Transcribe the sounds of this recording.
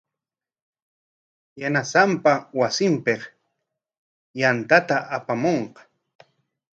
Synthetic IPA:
janasampawasɪmpeq | jant̪at̪aʔapamoɴqɑ̥

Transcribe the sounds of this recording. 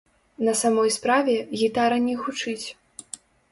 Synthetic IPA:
nɐsamɔjspɾavʲɛɣʲit̪aɾɐnʲɛxut͡ʂɨt͡sʲ

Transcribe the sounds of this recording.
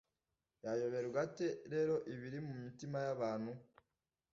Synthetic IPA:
jajo̞βe̞ɾuɡate̞ɾe̞ːɾo̞ʔiβiɾimumitimajaβaːn̥hu

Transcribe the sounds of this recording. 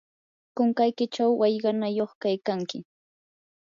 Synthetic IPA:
kʊŋkajkɪt͡ʃawːɑjɢɑnajoχkajkaŋkɪ

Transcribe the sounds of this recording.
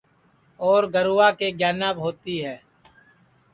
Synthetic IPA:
ɔːɾɡəɾuːaːkeɡjaːnaːbɦoːt̪iɦɛː

